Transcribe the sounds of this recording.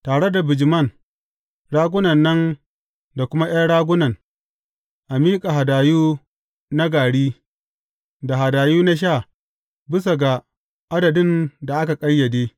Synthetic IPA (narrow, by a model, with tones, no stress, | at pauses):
taː˨ɽe˦da˨bɪ˨d͡ʒɪ˨mɐ˦˨n | ɽaː˦ɡʷʊ˦nɐ˨nːɐ˦n | da˨kʷʊ˦ma˦j̰a˦ɽaː˦ɡʷʊ˦nɐ˨n | ʔa˨miː˦kʼa˨ɦa˨daː˨juː˦ | na˦ɡaː˨ɽiː˦ | da˨ɦa˨daː˨juː˦na˦ʃ̬aː˦˨ | bɪ˦s̬a˨ɡa˨ | ʔa˦dɐ˨dɪ˦˨nda˨ʔa˦ka˨kʼɐ˦jjːɐ˨deː˦